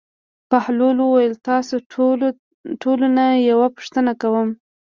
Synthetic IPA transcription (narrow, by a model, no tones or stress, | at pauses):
pahlolwəwajəlt̪ɑso | ʈʰolunajawapʊ̥ʂt̪ənakawəm